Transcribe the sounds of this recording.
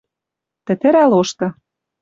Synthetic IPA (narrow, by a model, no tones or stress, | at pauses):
t̪ɘ̆t̪ɘ̆ɾæloʃt̪ɤ̆